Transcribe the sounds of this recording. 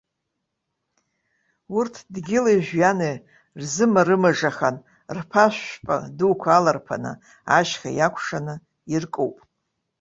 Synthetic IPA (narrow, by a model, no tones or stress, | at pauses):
urtʰdɡʲɪlajʒʷᶣjane | rzɨmaɾɨmaʐaχan | rpʰaʃʷpʼa̰dukʷʰalarpʰa̰nɨ̰ | aʃχa̰jakʷʰʂanɨ | irkʼowpʼ